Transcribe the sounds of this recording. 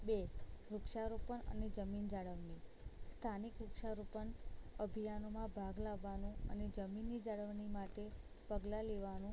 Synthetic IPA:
beɾukʃaɾupəɳə̰ned͡ʒəmind͡ʒaɽəʋɳi | st̪ʰanikɾukʃaɾupəɳəbʱijanomãbʱaɡlaʋːanũə̰ned͡ʒəminːid͡ʒaɭəʋɳimaʈe | pəɡlaleʋanũ

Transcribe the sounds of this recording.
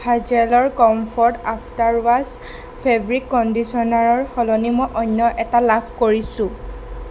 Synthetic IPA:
bʱad͡ʒɛlɔɹkɔmpʰɔɹtaptaɹwas | pʰebɔɹikːɔndisɔnaɹɔɹxɔlɔnimɔjʔɔɲːɔʔɛtalapʰkoɹisʊ̃

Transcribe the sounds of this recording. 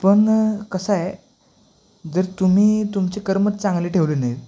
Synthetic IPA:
pəɳkəsaje | d͡zəɾt̪um̤iːt̪umt͡ɕekəɾmət͡s̪̚t͡sãŋɡleːʈʰeʋlenaj

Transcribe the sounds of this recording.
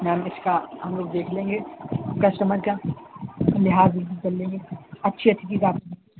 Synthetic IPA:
mɛ̃mɪskaɦɐ̰mloːɡd̪eːkʰlẽːŋɡekɐʃʈɐməɾka | lɪɦaːzib̪it͡ʃɐlːẽːŋɡeɐtːʃʰiɐtːʃʰikizaːt̪iĩ

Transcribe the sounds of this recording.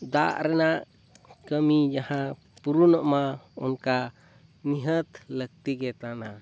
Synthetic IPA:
d̪aʔɾɛnaʔ | kəmid͡ʒahã | puɾunɔʔmaɔnka | niɦət̪lək̚t̪iɡɛt̪ana

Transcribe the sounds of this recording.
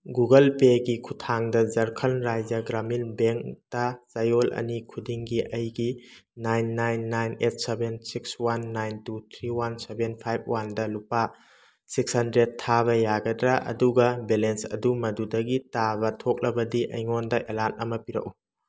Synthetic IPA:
ɡuɡɐlpeɡikʰutʰaŋdɐzɐɾkʰɐlɾajzɐɡɾamilbeŋktɐzajolʔɐ̰nikʰudiŋɡiʔɐjɡinajnːajnːajnet̚ʰsebensikswanːajntut̪ʰɾiwansebenpʰajb̚wandɐlupa | sik̚shɐndɾet̚tʰːaβɐjaɡɐdɾaʔɐ̰duɡɐbelensɐ̰dumɐdudɐɡitabɐtʰok̚lɐbɐdiʔɐ̰jŋondɐʔelant̚ɐmɐpiɾɐ̰k̚u

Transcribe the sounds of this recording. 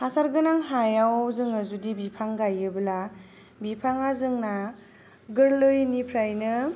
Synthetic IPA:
hasaɾɡɯnaŋɦajawzɯŋazudibipʰaŋɡajɯbɯla | bipʰaŋazɯŋna | ɡɯɾlɯjnipʰɾajnɯ

